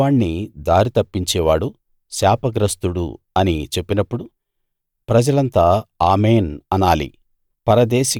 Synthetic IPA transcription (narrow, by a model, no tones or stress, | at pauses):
aːɳːid̪aːɾit̪ɐpːiɲt͡ʃɛːʋaːɽu | ʃaːpɐɡɾɐst̪uɽṵ | ɐnit͡ʃe̞pːinɐpːuɽu | pɾɐd͡ʒɐlɐnt̪aːaːmeːnɐnaːlḭ | pɐɾɐd̪ɛːʃi